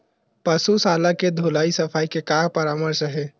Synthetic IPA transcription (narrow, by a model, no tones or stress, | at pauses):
pəsusalaked̪ʱolaisəpʰajkekapəɾaməɾsəɦe